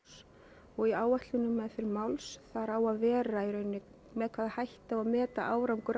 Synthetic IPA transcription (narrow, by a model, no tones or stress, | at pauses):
s | ɔɣiaːwaht̪lʏnʏmːɛðfɪɾɪɾmawlsθaɾawaðvɛːɾaiɾœːɥnːɪ | mɛðkʰvaːðahajht̪awaðmɛːt̪a̰ʔaːwɾawŋkʏɾ